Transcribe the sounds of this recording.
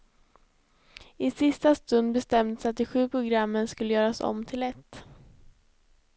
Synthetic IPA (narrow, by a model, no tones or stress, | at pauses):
ɪsɪst̪ast̪ɵnd̪̚bɛst̪ɛmd̪əsat̪̚d̪ɪɧʉ̟ːpʰɾʊɡɾamːənskɵlːəjœːɾasɔ̰mːt̪ʰɪlɛt̪ː